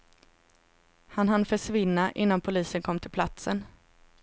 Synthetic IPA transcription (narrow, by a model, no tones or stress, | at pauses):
hanɦanfœʂvɪnːaʔɪnːanpʰʊliːsənkʰɔmːt̪ʰɪlpʰlat̪sən